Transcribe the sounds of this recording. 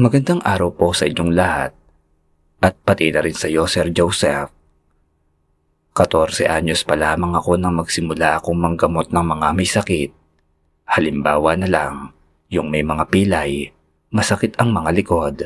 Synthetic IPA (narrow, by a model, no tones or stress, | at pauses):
mɐɡɐnd̪aŋʔaːɾɐwpo̞sɐʔɪɲo̞ŋlɐha̰t̪̚ | ʔɐt̪̚pɐt̪inɐɾɪnsɐjo̞sɛɾd͡ʒowsɛf | kɐt̪o̞ɾsɛ̰ʔaɲospɐlaːmɐŋɐko̞nɐŋmɐɡsɪmʊlaʔɐko̞ŋmɐŋɡɐmo̞t̪̚nɐŋmɐŋamɐjsɐkɪt̪̚ | hɐlɪmbaːwɐnɐlaŋ | jʊŋmɐjmɐŋapiːlɐj | mɐsɐkɪt̪ɐŋmɐŋalɪko̞d̪